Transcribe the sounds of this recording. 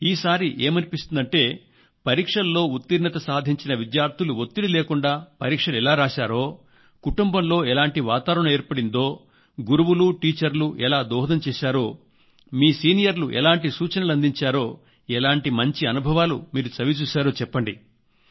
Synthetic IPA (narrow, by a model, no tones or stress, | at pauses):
iːsaːɾiʔeːmɐnipist̪und̪ɐɳʈe̞ː | pɐɾiːkʂɐlːo̞ːut̪ːiɾnɐt̪ɐsaːd̪ʱiɲt͡ʃinɐʋid̪jaːɾt̪ʰuluot̪ːiɽileːkuɳɖaːpɐɾiːkʂɐlɛlaːɾaːʃaːɾo̞ː | kuʈumbɐmlo̞ːɛlaːɳʈiʋaːt̪aːɾɐɳɐme̞ːɾpɐɽind̪o̞ː | ɡuɾuʋuluʈiːt͡ʃɐɾluʔɛlaːd̪ɔːɦɐd̪ɐmt͡ʃɛːʃaːɾo̞ː | miːsiːnijɐɾluʔɛ̰laːɳʈisuːt͡ʃɐnɐluɐnd̪iɲt͡ʃaːɾo̞ː | ɛlaːɳʈimɐɲt͡ʃiɐnubʱɐʋaːlṵmiːɾut͡ʃɐʋit͡ʃuːsaːɾoːt͡ʃɛpːɐɳɖi